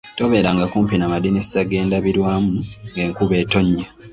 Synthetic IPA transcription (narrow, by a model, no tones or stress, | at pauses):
to̞βe̞ːɾaŋɡakuːmpinamadinesaɡe̞ːndaβiɾwaːmuŋɡe̞ːŋkuβe̞ːto̞ɲːa